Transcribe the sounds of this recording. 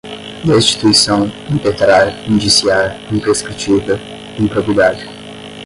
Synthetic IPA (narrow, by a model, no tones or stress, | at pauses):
d̪est͡ʃi̥t̪uisɐ̃w̃ĩpet̪ɾaɾĩnd͡ʒisiaɾĩpeɾskɾit͡ʃivɐ | ĩpɾovid̪ad͡ʒɪ